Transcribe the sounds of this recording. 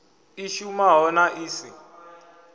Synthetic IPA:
iʃumaɦɔnaʔiːsi

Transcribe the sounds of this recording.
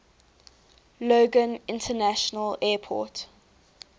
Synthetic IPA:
loːɡə̃nɪ̃ntʰənæʃənəlɛːpʰɔ̰ˑt

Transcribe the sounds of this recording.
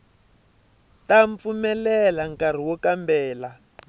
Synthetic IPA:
taɱp̪fumɛlɛlaŋkar̤iwɔkambɛːla

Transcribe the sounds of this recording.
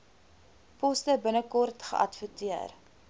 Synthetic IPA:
pɔstəbənəkɔrtχə̰ʔɐtfətiər

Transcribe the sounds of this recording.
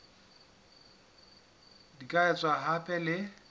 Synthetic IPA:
dikʼaɛt͡sʼwaɦapʼɛlɪ

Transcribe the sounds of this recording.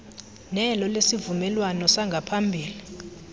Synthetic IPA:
nɛlɔlesivumɛlwanɔsaŋɡʱapʰambʱiːli

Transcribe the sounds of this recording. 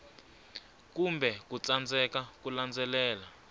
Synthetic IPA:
kumbʱɛkut͡sand͡zʱɛkak̬uland͡zʱɛlɛːla

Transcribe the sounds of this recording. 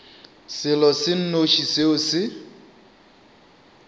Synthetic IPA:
sɪlɔsɪn̩noʃiseʊsɪ

